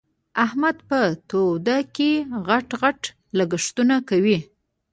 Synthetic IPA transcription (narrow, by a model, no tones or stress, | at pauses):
ahmad̪pət̪od̪akeɣaʈɣaʈ | laɡəʂt̪unakawi